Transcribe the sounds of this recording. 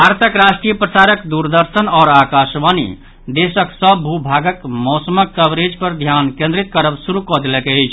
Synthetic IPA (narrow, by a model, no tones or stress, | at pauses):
bʱaɾt̪ʰəkɾasʈɾijəpɾəsaɾəkd̪uɾd̪əɾsənaːɾakasbanḭ | d̪esəksəbːʱubʱaɡəkmɔsəməkːəbɾed͡ʒpəɾd̪ʱjankẽnd̪ɾit̪kəɾəbsuɾukɔd̪elɛkeəjt͡ʃʰ